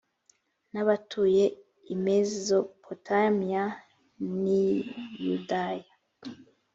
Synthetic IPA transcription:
naβatʰuje̞ | imezo̞pʰotʰamija | nijṵdaja

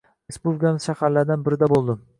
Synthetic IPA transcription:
ɾespublʲɪkʰanɪz̥ʃahaɾlaɾd̪anbɪɾɪd̪abolˠd̪ɪm

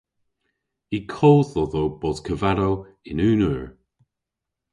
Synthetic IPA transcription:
ikʰoːθɔðowb̥ɔzkʰəvaɾow | ɪnʉːnəɹ

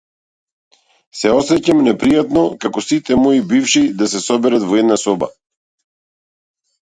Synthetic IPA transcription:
sɛɔsɛcamnɛpɾijat̪nɔkakɔsit̪ɛmɔibifʃid̪asɛsɔbɛɾat̪vɔɛd̪nasɔba̰

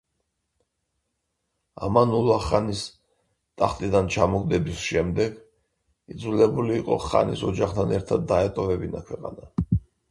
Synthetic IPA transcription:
a̰manulˠaχanis | t̪ʼaχt̪ʼid̪ant͡ʃʰamɔɡd̪ɛbisʃɛmd̪ɛɡ | id̪zulɛbuliːqʼɔ̰χa̰nisɔd͡ʒaχt̪ʰanɛɾt̪ʰad̪ːaɛt̪ʼɔvɛbinakʰwɛqʼana

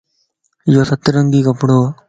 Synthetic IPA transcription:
joːsɐt̪ːɾəŋɡiːkɐpɽoː

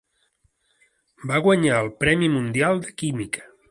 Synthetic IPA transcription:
baɣwəɲaəlˠpɾɛmimund̪ialˠd̪əkimikə̥

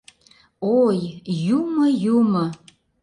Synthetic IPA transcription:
ojjuməjumo

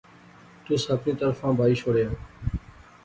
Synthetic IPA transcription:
t̪uːsəpnĩːt̪əɾfãːbʱaːiːʃoːɽjaː

